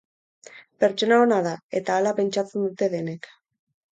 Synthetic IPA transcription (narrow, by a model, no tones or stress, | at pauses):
pe̞ɾt͡ʃo̞naonað̞ae̞t̪aːlape̞nt͡ʃat͡se̞nd̪ut̪e̞ðe̞ne̞k